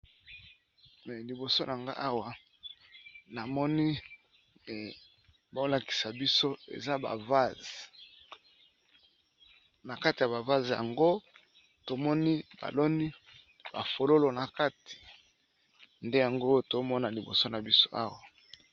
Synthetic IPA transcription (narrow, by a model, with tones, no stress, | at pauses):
mɛ˨li˨bo˨so˦nʔa˨ŋɡa̰˦ʔa˦wa˨ | na˨mɔ˦ni˦˨ | ba˨o˦la˨ki̥˨sa˨bi˦so˦ḛ˨za˦ba̰˨va˦z | na˨ka˦ti˨ja˨βa˨va˦zja̰˨ŋɡo˦ | to˨mɔ˦ni˦ba̰˨lo˦ni˦ | b̥a̰˨fo˨lo˦lo˨na˨ka˦tʰi̥˨ | nde˦ja˨ŋɡo˦to˨˦mɔ˦na˨li˨bo̰˨so˦na˨bi˦so˦ʔa̰˦wa˨